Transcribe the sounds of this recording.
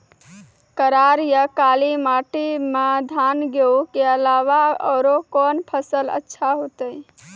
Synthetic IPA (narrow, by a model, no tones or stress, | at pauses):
kəɾaɾjəkalimaʈimed̪ʱanɡeukeəlaʋaɔ̰ːɾokɔnpʰəsələ̰tːʃʰaɦot̪əj